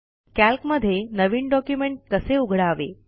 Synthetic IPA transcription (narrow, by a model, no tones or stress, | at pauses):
kælkməd̪ʱːjenəʋiːɳɖɔkjumeɳʈ̚kəseuɡʱɽaːʋḛ